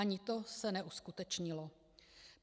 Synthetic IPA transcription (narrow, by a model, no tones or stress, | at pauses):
aɲɪt̪osɛnɛʔuskut̪ɛt͡ʃɲɪlo